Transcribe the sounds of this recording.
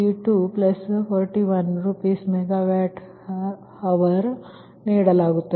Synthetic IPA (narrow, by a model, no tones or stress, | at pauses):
iʈuplɐspʰoːɾʈiːʋɐnɾupiːsmeɡaʋɛːʈ | hɐʋɐɾ | niːɽɐlaːɡut̪ːe